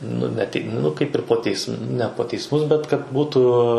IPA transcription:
ˈnʊ nʲɛ ˈtʲɪk ˈnʊ ˈkɐɪp ɪr poː ˈtʲɛɪsm nʲɛ poː tʲɛɪsˈmʊs bʲɛt kɐt ˈbuːtʊ

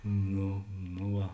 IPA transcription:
ˈnoː noː ˈʋɐ

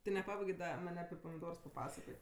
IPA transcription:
tʲɪ nʲɛˈpɑːbɐɪɡʲeː ˈdɐ ˈmɐnʲ ɐpʲɪ pɐmʲɪˈdoːrs pɐˈpɑːsɐkoːtʲ

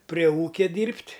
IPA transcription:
pʲrʲiɛ ˈuːkʲɛ ˈdʲiːrʲpʲtʲ

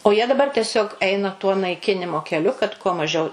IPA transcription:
oː jiɛ dɐˈbɐr tʲɛˈsʲoːk ˈɛɪnɐ tuɔ nɐɪˈkʲɪnʲɪmoː kʲɛˈlʲʊ kɐt kuɔ mɐˈʒʲɛʊ

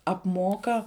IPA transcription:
ɐpˈmoːkɐ

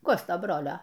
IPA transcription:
ˈkoːstoː ˈbroːlʲoː

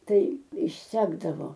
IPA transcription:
ˈtɐɪ ɪʃʲˈsʲæːɡdɐʋoː

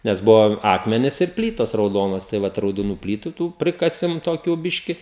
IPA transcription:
ˈnʲɛs ˈbʊʋoː ˈɑːkmʲɛnʲɪs ɪr ˈpʲlʲiːtoːs rɐʊˈdoːnoːs tɐɪ ˈʋɐt rɐʊdoːˈnuː ˈpʲlʲiːtʊ ˈtuː ˈpʲrʲɪkɐsʲɪm toːˈkʲuː ˈbʲɪʃʲkʲɪ

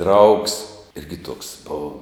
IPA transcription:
drɐʊks ˈɪrʲɡʲɪ tuɔks ˈboːʋɐ

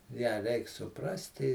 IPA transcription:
jæː ˈrʲɛɪk sʊˈprɑːsʲtʲɪ

